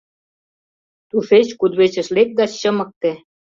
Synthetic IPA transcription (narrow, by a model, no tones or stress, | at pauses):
t̪uʃet͡ɕkud̪βet͡ɕə̆ʃlek̚ɡ̪ɑt͡ɕɕɤmɤ̆k̚t̪ĕ